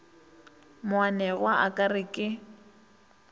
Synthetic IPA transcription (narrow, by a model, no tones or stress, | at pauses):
mwanɛɣwaʔakʼarɪkʼɪ